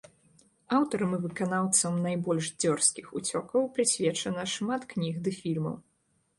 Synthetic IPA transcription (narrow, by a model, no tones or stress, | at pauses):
awt̪ɐɾɐmɨvɨkanawt̪sɐmnajbɔlʲʂd͡zʲɔrskʲixut͡sʲɔkɐwpɾɨsʲvʲɛt͡ʂɐnɐʂmat̪knʲiɣd̪ɨfʲilʲmɐ̰w